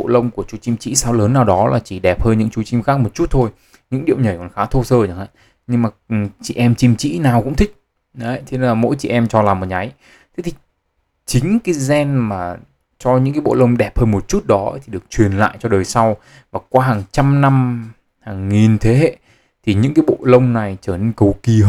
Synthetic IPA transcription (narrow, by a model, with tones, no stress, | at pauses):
o̰˧˨lə˧wŋ͡mku˧˩ət͡ɕu˨˧˦t͡ɕi˧mt͡ɕḭ˧˥saː˨˦wləː˨˦nːaː˨˩wɗɔ˨˦la̰ː˨˩t͡ɕi˧˩ɗɛ˨˩p̚həː˧nɲɨ̰˧˥ŋt͡ɕu˨˧˦t͡ɕi˧mxaː˦˥k̚mo˨˩t̚t͡ɕu˦˥t̚t̪ʰo˧j | ɲɨ̰˧˥ŋɗi˧˨əwɲə˨˩jkɔ˨˩nxaː˨˦t̪ʰo˧səː˧ɲə̰˨˩ŋa̰ː˧˨ | ɲɨ˧ŋmaː˨˩˨t͡ɕḭ˧˩ʔɛ˧mt͡ɕi˧mt͡ɕḭ˧˥naː˨˩wkʊ̰˧˥ŋ͡mt̪ʰi˦˥k̚ | ɗjt̪ʰe˨˧˦laː˨˩mo̰˧˥jt͡ɕḭ˧˨ʔɛ˧mt͡ɕɔ˧laː˨˩mo˨˩ɲa˨˦j | t̪ʰe˨˦t̪ʰi̥˨˩ | t͡ɕï˨˦ŋ̟ka˨˦jzɛ˧nmaː˨˩ | t͡ɕɔ˧ɲɨ̰˧˥ŋkːa˨˦jɓo̰˧˨lə˧wŋ͡mɗɛ˨˩p̚həː˧nmo˨˩t̚t͡ɕu˦˥t̚ɗɔ˨˦t̪ʰi˨˩ɗɨ˨˩ək̚t͡ɕwi˨˩ənla̰ː˧˨jt͡ɕɔ˧ɗəː˨˩jsa˧w | vaː˨˩kwaː˧ɦaː˨˩ŋt͡ɕa˧mna˧m | haː˨˩ŋːi˨˩nt̪ʰe˨˦ɦḛ˧˨ | t̪ʰi˨˩ɲɨ̰˧˥ŋkaː˨˦jɓo̰˧˨lə˧wŋ͡mna˨˩jt͡ɕəː˧˩ne˧nkə˨˩wki˨˩˧